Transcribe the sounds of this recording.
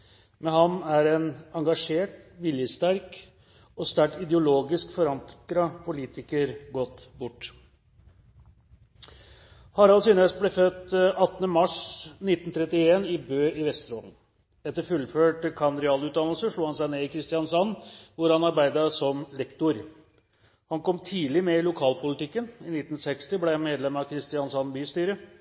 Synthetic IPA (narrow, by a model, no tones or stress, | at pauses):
mɛɦɑnæɾɛnɑŋɡɑʂeːʈʋɪljəst̪æɾk | ɔst̪æʈɪd̪ɛʊloːɡɪskfɔɾɑŋkɾɑpʰʊliːt̪ʰɪkəɾɡɔt̪ːbʊʈː | hɑɾɑlsyːnəəsblɛfœt̪ːɑt̪ːənəmɑʂnɪt̪ːn̩t̪ʰɾɛt̪ɪeːnɪbøːɪʋɛst̪ɾoːln̩ | ɛt̪ːəɾfʉlføːʈəkʰɑnɾɪɑːlʉt̪d̪ɑnlsəʂɭuːhɑnsæɪneːɪkʰɾɪst̪ɪɑnsɑnːʋʊɾhɑnɑɾbæɪd̪əsɔmlɛkt̪ʊɾ | hɑnkʰɔmt̪ʰiːlɪmɛɪlʊkʰɑːlpʰʊlɪt̪ɪkːənɪnɪt̪ːn̩sɛkst̪ɪblɛhɑnmeːd̪lɛmɑkʰɾɪst̪ɪɑnsɑnbyːst̪yːɾə